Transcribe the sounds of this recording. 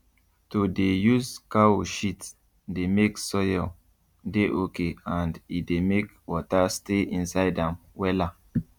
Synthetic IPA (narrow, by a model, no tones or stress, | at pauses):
todejuzkaoʃit | demeksɔjɔ | deʔokeãndidemek | wɔtasteĩnsaɪdãmwɛla